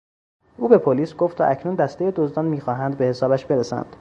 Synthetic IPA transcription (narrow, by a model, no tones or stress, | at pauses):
ʔuːbe̞pʰoliːsɡoft̪æ̰ʔæcʰnund̪æst̪e̞jed̪ozd̪ɒːnmiːxɒːɦænd̪̚be̞he̞sɒːbæʃbe̞ɾesæ̰nd̪̥